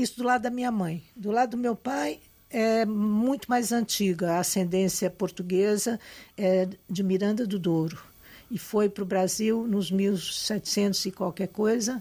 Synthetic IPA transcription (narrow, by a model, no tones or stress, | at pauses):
ist̪ʊd̪ʊlad̪ʊd̪ɐmĩɲɐmɐ̃j̃d̪ʊlad̪ʊd̪ʊmewpaj | ɛmũj̃t̪ʊmajzɐ̃nt͡ʃiɡɐɐːsẽnd̪ẽsiɐpoɾt̪uɡezɐɛd͡ʒɪmiɾɐ̃nd̪ɐd̪ʊd̪oɾʊ | ɪfojpɾʊbɾaziwnʊzmiwsɛt͡ʃɪ̥sẽnt̪ʊzɪkwawkɛɾkojzɐ